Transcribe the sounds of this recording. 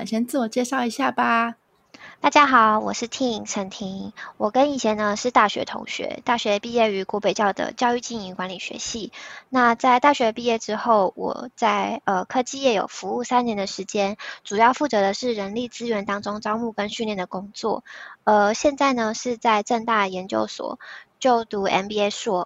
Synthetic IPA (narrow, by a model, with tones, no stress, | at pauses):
ɕjɛ˥nt͡sɹ̩˥˩wɔ˨˩t͡ɕjɛ˥˧ʂɑ˥˩ʊi˧˥˦ɕja˥˩ba˩ | t̪a˥˩t͡ɕja˥xɑ˨˩˦ʊwɔ̰˨˩ʂɻ̩˥˩t̪ʰi˥ʈ͡ʂʰə˧˥ŋt̪ʰi˧˥ŋwɔ˨˩kə˦˥ni˨˩ɕjɛ˥nə˧ʂɻ̩˥˧t̪a˥˩ɕɥɛ̰˧˥t̪ʰʊ̰˧˥ŋɕɥɛ̰˧˥t̪a˥˩ɕɥɛ˧˥ə˧pi˥˧jɛ˥˩y˧˥kwɔ˧˥pe˨ɪt͡ɕjɑ˥˩ʊd̪ə̰˩t͡ɕjɑ˥˧ʊy˥˧t͡ɕi˥˩ŋi˧˥ŋkwa˧˥nli˨˩ɕɥɛ̰˧˥ɕi˥˧na˥˧t͡sa˥˧ɪt̪a˥˩ɕɥɛ˧˥d̪ə˧pi˥˧jɛ˥˩ʈ͡ʂɻ̩˥xo˥˩ʊwɔ̰˨˩t͡sa˥˩ɪə˧kʰɤ˥t͡ɕi˥˧jɛ˨˩jo̰˨˩ʊfu˧˦u˥˩sa˥njɛ˧˥nd̪ə˨ʂɻ̩˧˥t͡ɕjɛ˥nʈ͡ʂu˨˩jɑ˥˧ʊfu˥˩t͡sɤ˧˥d̪ə˧ʂɻ̩˥˩ɻə˧˥nli˥˩t͡sɹ̩˥ɥɛ˧˥nt̪ɑ˥ŋʈ͡ʂʊ˥ŋʈ͡ʂɑ˥ʊmu˥˩kə˥nɕy˥˧nljɛ˥˩nd̪ə˩kʊ˥ŋt͡swɔ̰˥˩ə˧ɕjɛ˥˧nt͡sa˥˩ɪnə˩ʂɻ̩˥˧t͡sa˥˧ɪʈ͡ʂɤ˥˧ŋt̪a˥˩jɛ˧˥nt͡ɕjo̰˥˧ʊswɔ̰˨˩˦t͡ɕjo˥˩ʊt̪u˧˥ɛ̰˧npi˥e˥ɪʂwɔ˥